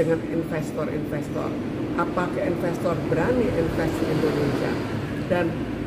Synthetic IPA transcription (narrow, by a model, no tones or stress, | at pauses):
əŋaninfɛst̪ɔrḭnfɛst̪ɔ̰r | ʔapakəinfɛst̪ɔrbəɾaniʔinfɛstiindonesia̰ | dan